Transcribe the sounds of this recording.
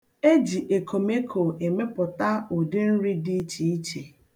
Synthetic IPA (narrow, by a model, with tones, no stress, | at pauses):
e˦d͡ʒi˨ʔe˨kʰo˨me˦kʰo˨e˨me˦pʊ˨ta˦o˨de˦n̩˦ɾi˦di˦t͡ʃi˨i˦t͡ʃe˨